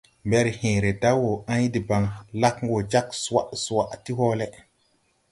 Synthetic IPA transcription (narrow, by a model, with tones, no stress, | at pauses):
mbe˦ɾhẽː˨ɾe˨da˦wo˨a˦ɲ˦di˨ba˨ŋla˦kŋ˦ɡo˨d͡ʒa˦ksa̰˦˨ʔsu˨wa˨ʔti˦ɦo˦le˦